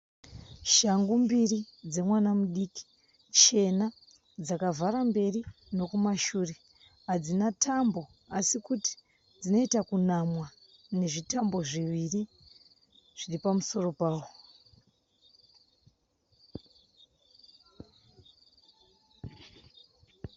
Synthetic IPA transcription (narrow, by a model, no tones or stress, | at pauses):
ʃaŋɡumbirid͡ze̞mwanamuɗiki̥ | t͡ʃe̞na | d͡zakavaɾambe̞rino̞kumaʃuːre̞ | ɦad͡zinatʰambo̞ | asikuti̥ | d͡zino̞itakunamwa | ne̞ʐitambo̞ʐiʋiri | ʐ̥iripamuso̞ro̞paːwo̞